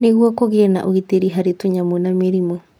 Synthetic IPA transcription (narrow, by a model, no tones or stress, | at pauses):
neɣwɔkoɣeɛna̰ʔoɣiteɾiɦaɾetoɲamwenameɾimwɛ